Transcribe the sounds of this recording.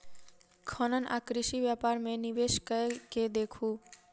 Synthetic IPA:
kʰɔnənʔa̰kɾɪʃiʋjapaːɾmẽniʋeʃkəeked̪ekʰu

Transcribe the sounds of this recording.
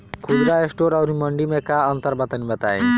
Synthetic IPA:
kʰud̪ɾaesʈoɾawɾimɔɳɖimekaɔnt̪aɾbat̪anibat̪aj

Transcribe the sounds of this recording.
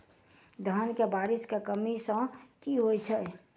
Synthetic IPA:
d̪ʱənkebaɾɪskekəmisə̃kiɦojt͡ʃʰɛ

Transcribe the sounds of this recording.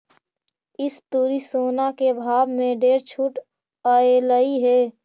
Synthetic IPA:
ɪst̪uːɾisoːnakebʱaːbmẽɖeːɾt͡ʃʰuːʈ | əeləiɦɛː

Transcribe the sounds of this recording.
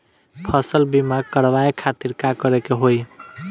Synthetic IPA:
pʰʌsəlbimaɡ̚kəɾʋajekʰat̪iɾkakʌɾekeɦoj

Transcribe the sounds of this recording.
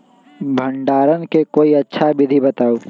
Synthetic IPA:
bʱə̃ɳɖaːɾənkekoːiɐtːʃʰabɪd̪ʱibɐt̪aːoː

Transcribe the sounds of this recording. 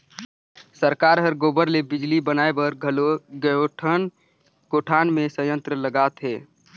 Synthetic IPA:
səɾkaːɾɦəɾɡoːbəɾlebɪd͡ʒlibənaːebəɾɡlɡoʈʰən | koːʈʰaːnmẽsə̃jə̃nt̪ɾələɡaːt̪ɦɛː

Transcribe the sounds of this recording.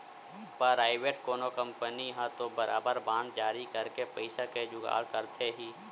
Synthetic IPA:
pəɾaːɪʋeʈkoːnokə̃mpəniɦãt̪obəɾʔa̰ːbəɾbãːnd̪̚d͡ʒaːɾikəɾkepəɪsaked͡ʒʊɡa̰ːɽkəɾt̪ʰeɦiː

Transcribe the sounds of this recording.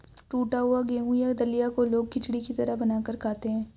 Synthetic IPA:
ʈuːʈaɦʊaɡeːɦũjad̪ɐlijakoloːɡ̚kɪt͡ʃɽikit̪ɐɾəɦbɐnaːkəɾkʰaːt̪eɦɛ̃ː

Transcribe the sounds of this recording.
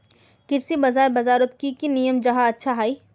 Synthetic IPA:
kɪɾsibɐzaːɾbɐzaːɾʊt̪kikinijəmd͡ʒɐɦaɐtːʃʰaɦaːiː

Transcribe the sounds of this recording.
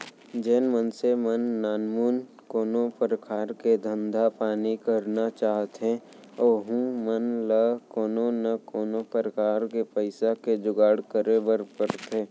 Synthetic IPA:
d͡ʒɛːnmənsemənːaːnmuːn | koːnopəɾkʰaːɾked̪ʱə̃nd̪ʱapaːnikəɾnat͡ʃaːɦt̪ɦɛ̃ | oːɦũmənləkoːnonɐkoːnopəɾəkaːɾkepəɪsaked͡ʒʊɡaːɽkəɾebəɾpəɾt̪eː

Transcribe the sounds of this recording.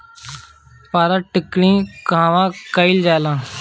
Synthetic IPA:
paːɾãːʈɪkɽĩːkãːʋãːkəild͡ʒaːlãː

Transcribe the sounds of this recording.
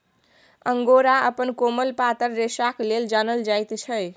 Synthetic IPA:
əŋɡoɾaəpənkoməlpat̪əɾːesakleld͡ʒanəld͡ʒajt̪t͡ʃʰəj

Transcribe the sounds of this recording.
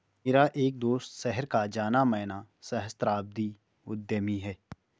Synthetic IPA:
ɪɾaʔeːk̚d̪oːst̪sɛɦəɾkad͡ʒaːnamɛːna | sɐɦəst̪ɾaːb̚d̪i | ʊd̪jəmiɦɛː

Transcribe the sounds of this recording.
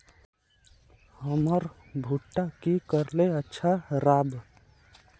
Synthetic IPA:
həməɾ | bʱuʈːakikəɾleətːʃʰaɾaːb

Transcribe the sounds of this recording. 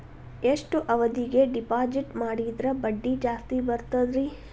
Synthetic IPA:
eʂʈuʔɐʋɐd̪iɡe̞ɖipaːd͡ʒiʈmaːɽid̪ɾɐbɐɖːid͡ʒaːst̪ibɐɾt̪ɐd̪ɾi

